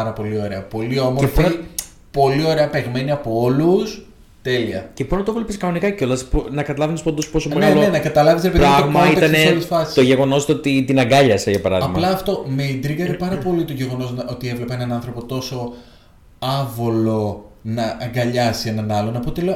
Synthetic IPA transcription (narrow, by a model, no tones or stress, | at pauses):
ɐɾɐpo̞lio̞ɾeɐpo̞liomoefin | po̞lio̞ɾe̞ɐpeɣme̞niɐpoo̞lus | t̪e̞liɐ̰ceponɐt̪olepiskɐnonikɐco̞lɐsponɐkɐt̪ɐlɐvenspɐnd̪ospo̞someneloenɐkɐt̪ɐlɐvis̬ɾepepɾɐɣmɐit̪ɐnesolsfɐsist̪oʝe̞ɣo̞no̞st̪ot̪it̪inɐŋɡɐʎɐseʝɐpɐɾɐðɐɣmɐlɐːft̪o̞meid̪ɾiɣɐɾipɐɾɐpo̞lit̪oʝe̞ɣo̞no̞snɐot̪ie̞vlepeenɐnɐnθɾo̞po̞t̪o̞so̞ | ɐvolo̞nɐʔɐɡɐʎɐsie̞nɐnɐlo̞nɐpot̪ele